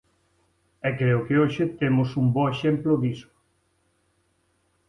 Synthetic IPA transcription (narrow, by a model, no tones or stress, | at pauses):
ɛkɾeʊkeoʃɪt̪emʊsumbɔeʃemplʊd̪iso̥